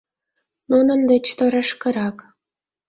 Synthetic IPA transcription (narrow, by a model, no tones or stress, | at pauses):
nunə̆nd̪ĕt͡ɕt̪ŏɾɑ̆ʃkə̆ɾɑk